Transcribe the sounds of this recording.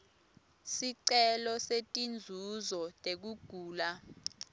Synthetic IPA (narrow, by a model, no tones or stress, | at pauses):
siǀɛlɔsetʼind͡zʱuzɔtʼek̬uɡ̥ʱuːla